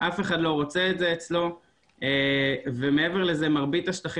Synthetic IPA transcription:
ʔafe̞χadlo̞ʁot͡seetzeːt͡slo̞ | eve̞me̞eve̞ʁle̞ze̞maʁbit̪aʃt̪aχ

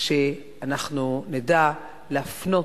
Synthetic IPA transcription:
ʃe | anaχnunid̪a | leafno̞

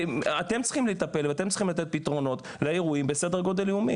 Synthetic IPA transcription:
at̪emt͡sχimleit̪ape̞lveat̪emt͡sli̥χimlat̪̬et̪̚pit̪ʁo̞no̞t̪ | leeʁuimbese̞d̪eʁɡo̞d̪eliumḭ

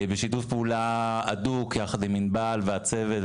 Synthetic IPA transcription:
beʃitufpeulaadukjaχad̪iminbalveat͡se̞vet

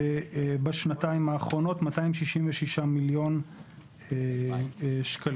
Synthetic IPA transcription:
baʃnataimaːχʁo̞no̞tmataimʃiʃimveʃiʃamiljo̞n | ʃkal

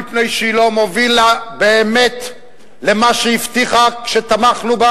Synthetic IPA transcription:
ipne̞jʃilo̞movilabe̞ːme̞t̪ | le̞maʃeift̪iχakʃet̪amaχnuba

